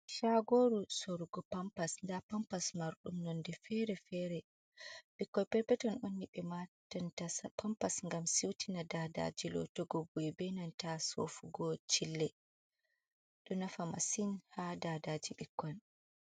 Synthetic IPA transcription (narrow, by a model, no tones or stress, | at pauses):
ʃaɡoɾusoɾuɡɔpampasndapampasmaɾɗumnɔndɛfɛɾɛfɛɾɛ | ɓikːɔjpɛɾpɛtɔnʔonːiɓɛmatɔntasapampasŋɡamsiwtinadada̰d͡ʒilɔ̰tɔɡɔbuibɛnantaso̰fuɡɔt͡ʃilːɛ | ɗɔnafama̰sinhadadad͡ʒiɓikːɔn